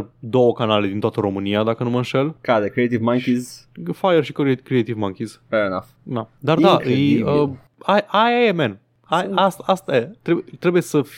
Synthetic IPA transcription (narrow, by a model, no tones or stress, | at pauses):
d̪o̞wəkanale̞d̪int̪oat̪əɾo̞mɨniad̪akənuməɨnʃe̞lkad̪ekɾiet̪ivmãŋkiz | fajərʃikekɾiejt̪ivmaŋkʲizvɛɹinafd̪ad̪ard̪aʔɨjjə | ajʔaemen | ajast̪aast̪ajat̪ɾet̪ɾe̞buje̞səf